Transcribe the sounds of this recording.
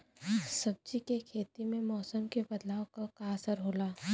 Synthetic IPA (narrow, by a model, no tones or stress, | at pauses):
sɐb̚t͡ʃikekʰeːt̪imẽmɔːsəmkebɐd̪laːokakaɐsəɾɦoːlaː